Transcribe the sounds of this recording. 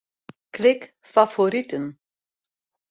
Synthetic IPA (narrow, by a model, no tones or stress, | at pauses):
klɪk | fafoɾitən